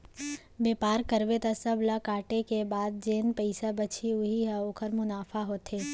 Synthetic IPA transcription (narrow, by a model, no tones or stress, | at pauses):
beːpaːɾkɐɾʋet̪asɐblakaːʈekebaːd̪̚d͡ʒeːnpəɪsabɐt͡ʃʰiʊɦiɦɛoːkʰəɾmʊnaːfaɦoːt̪eː